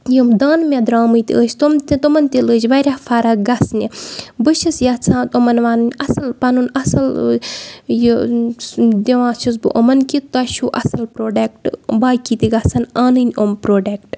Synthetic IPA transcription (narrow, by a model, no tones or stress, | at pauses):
jimd̪aːnmʲed̪ɾaːmɨjt̪ʲiəːʃt̪omt̪t̪omɐnʲt̪ʲiləːt͡ʃʋɐɾʲafʰaːɾɐɡɐsnʲibɨʃɐsjaːt͡sʰãːt̪ɐmɐnʋaːnɨnʲɐsɐlpɐnunɐsɐl | ji | d̪eʋãːt͡ʃʰɐs̬bɨ̰ʔɐmɐnkit̪ɐʃuʔɐ̰sɐlpɾoːɖɐk̚ʈbaːjkit̪iɡɐsɐnaːnɨnʲompɾoːɖɐk̚ʈ